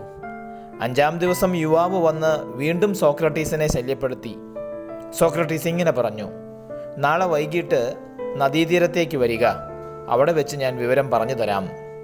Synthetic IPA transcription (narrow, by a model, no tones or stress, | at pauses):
ɐɲd͡ʑaːmd̪iʋɐsɐmjuʋaːʋɨʋɐnːɨʋiːɳɖumso̞ːkrɐʈːiːsine̞ɕɐljɐpːe̞ɽut̪ːi | so̞ːkrɐʈːisiŋːɐne̞pɐrɐɲːu | naːɭeʋɐjkiʈːɨ | nɐd̪iːd̪iɾɐt̪ːe̞ːk̬ʲːɨʋɐɾiɣɐ | ɐ̰ʋiɽe̞ʋet͡ɕːɨɲaːnʋiʋɐɾɐmpɐrɐɲːut̪ɐɾa̰ːm